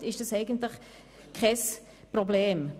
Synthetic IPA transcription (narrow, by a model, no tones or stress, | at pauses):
tɪʃd̥ɑsɛɪɡən̩tlɪχ | kʰɛs | prɔbleːm